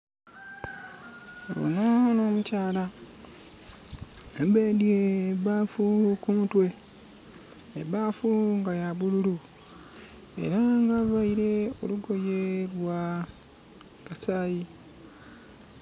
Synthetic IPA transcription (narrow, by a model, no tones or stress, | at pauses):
βo̰naono̞ːmucaːla | ebeːdjeβaːfukumutwe̞ | eβaːfuŋɡajaβululu | e̞̰ɾaŋɡaβaiɾe̞o̞̰luɡo̞jelwa | kasaːji